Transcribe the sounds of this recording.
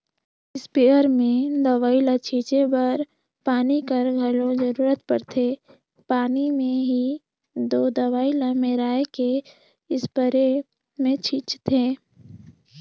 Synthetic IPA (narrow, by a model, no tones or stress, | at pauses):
ɪspeːəɾmẽd̪ɐʋaːilat͡ʃʰiːt͡ʃebəɾ | paːnikəɾɡʱɐlõzəɾuːɾət̪pəɾt̪ʰe | paːnimẽɦi | d̪oːd̪əʋaːilamẽɾaːeke | ɪspəɾe | mẽt͡ʃʰiːt͡ʃt̪ʰeː